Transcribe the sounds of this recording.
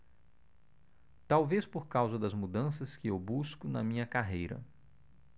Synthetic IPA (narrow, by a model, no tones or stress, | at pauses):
t̪awvespoɾkawzɐd̪ɐzmud̪ɐ̃sɐskɪewbuskʊnɐmĩɲɐkaɦejɾɐ̰